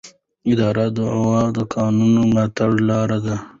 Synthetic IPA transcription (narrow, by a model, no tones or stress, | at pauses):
ɪd̪ɑːɾad̪əʕwɑd̪əkɑːnunomat̪aɽlɑːɾad̪a